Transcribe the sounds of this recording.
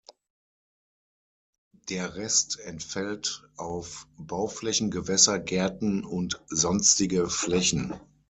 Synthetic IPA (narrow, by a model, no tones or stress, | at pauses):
d̥eːɐʁɛstɛntfɛltʔaʊfb̥aʊflɛçn̩ɡəvɛsɐɡɛɐtn̩ʊntzɔnstɪɡəflɛçn̩